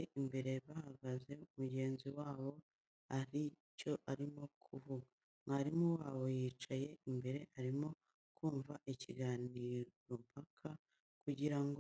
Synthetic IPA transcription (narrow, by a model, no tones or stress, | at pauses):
eimbe̞ɾe̞βahaɡaze̞umuɟe̞ːnziwaːβo̞ | aɾico̞ʔaɾimo̞kʰuvuɡa | mŋaɾimuwaːβo̞jiːt͡ʃaje̞imbe̞ɾe̞ʔaɾimo̞ | kuːɱvaʔiciɡaːniːɾompakʰa | kuɟiɾaŋɡo